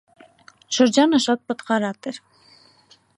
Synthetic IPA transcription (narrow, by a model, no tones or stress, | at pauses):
ʃəɾd͡ʒɑnəʃɑt̪̚pət̪qɑɾɑt̪ɛɾ